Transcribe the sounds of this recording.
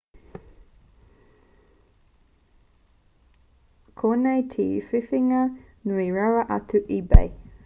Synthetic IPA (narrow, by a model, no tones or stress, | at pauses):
kʰoːnejtʰiːfifiŋɐ | nuiɹawɐʔɐtʰuʔibɛ̰j